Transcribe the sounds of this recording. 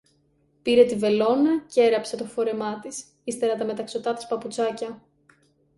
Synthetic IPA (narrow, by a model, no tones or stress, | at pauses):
piɾe̞t̪ive̞lo̞nɐcee̞ɾɐpse̞t̪o̞fo̞ɾe̞mɐt̪is | ist̪e̞ɾɐt̪ɐme̞t̪ɐkso̞t̪ɐt̪i̥spɐput͡sɐcɐ